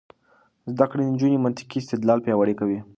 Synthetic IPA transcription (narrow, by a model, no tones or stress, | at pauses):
zd̪akɽed̪ənd͡ʒunemant̪ɪ̥kiɪst̪ɪd̪lɑlpjɑwaɽekawi